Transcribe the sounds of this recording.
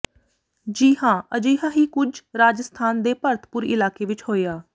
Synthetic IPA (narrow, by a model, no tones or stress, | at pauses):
d͡ʒiːɦãːəd͡ʒiːɦãːɦiːkʊd͡ʒɾaːd͡ʒəst̪ʰaːnd̪eːpəɾt̪ʰə̥pʊɾɪlaːkeːʋɪt͡ʃhoːeːaː